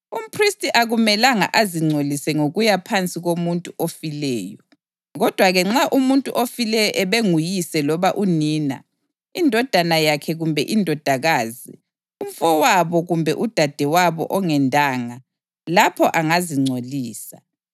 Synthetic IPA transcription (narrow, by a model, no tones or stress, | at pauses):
um̩pʰristʼiʔaɣumɛlaŋa̰ʔaziŋ͡ǀʱolisɛŋoɣujapʰant͡sʼiɣomuntʼuʔofilɛːjɔ | ɣɔd̥ʱwaɣɛŋ͡ǁaʔumuntʼuʔofilɛjɔʔɛβeŋujisɛlɔβaʔuniːna̰ | indʱɔd̥ʱanajakʰɛɣumbʱɛʔindʱɔd̥ʱaɣaːzi | um̩fɔwaβɔɣumbʱɛʔud̥ʱad̥ʱɛwaβɔ̰ʔɔŋɛndʱʼaːŋa | lapʰɔʔaŋaziŋ͡ǀʱoliːsa